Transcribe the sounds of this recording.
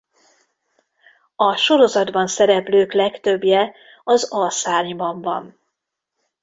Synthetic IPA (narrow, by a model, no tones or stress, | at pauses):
ɒʃo̞ɾo̞zɒd̪bɒnsɛɾɛpløːklɛkt̪ø̞bjɛ | ɒzɒsaːrɲbɒɱvɒn